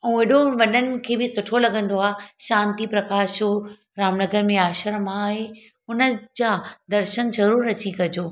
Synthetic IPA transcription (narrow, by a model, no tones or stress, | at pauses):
ɛ̃ũʋeɗoʋɐɗənɪ̆kʰeːbɪsʊʈʰolɐɡə̃n̆d̪oaːʃãːnt̪ipɾɐkaːʃo | ɾaːmnɐɡəɾmẽaːʃəɾəmaːɦe | ʊnə̆d͡ʑaːd̪ɐɾʃənzɐɾuːɾːɐt͡ɕikɐd͡ʑoː